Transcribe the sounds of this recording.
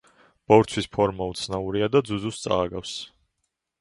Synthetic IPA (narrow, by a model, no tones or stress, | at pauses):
b̥ɔvɾt̪sʰwispʰɔɾmaut̪sʰnauɾiad̪ad̪zuzust̪sʼa̰ːɡafs